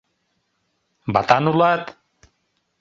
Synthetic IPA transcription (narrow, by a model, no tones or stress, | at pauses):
bat̪anulat̪